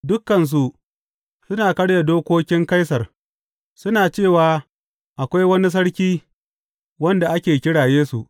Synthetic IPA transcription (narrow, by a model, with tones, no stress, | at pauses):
dʊ˦kːɐ˨ns̬u˨ʔ | sʊ˦naː˨kɐ˦ɽja˨doː˦kʷoː˦kʲɪ˦ŋka˦jsɐ˨r | sʊ˦naː˨t͡ʃeː˦˨waː˨ | ʔa˨kʷa˦jwɐ˦ni˦s̬ɐ˦ɽkʲiː˦ | wɐ˦nda˨ʔa˦kʲeː˨kʲɪ˦ɽaː˨jeː˦su˨ʔ